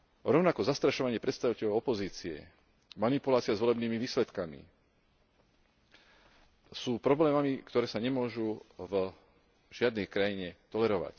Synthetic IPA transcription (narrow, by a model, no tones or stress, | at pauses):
ɾɔʊnakɔzast̪ɾaʃɔʋaɲɪɛpɾɛt̪st̪aʋicɛʎɔʊɔpɔziːt͡siɛ̰ | manipulaːt͡siazʋɔlɛbniːmiʋiːslɛt̪kamḭ | suːpɾɔblɛːmamikt̪ɔɾɛːsaɲɛmʊɔʒuv | ʒ̥ɪad̪nɛjkɾajiɲɛt̪ɔlɛɾɔʋa̰c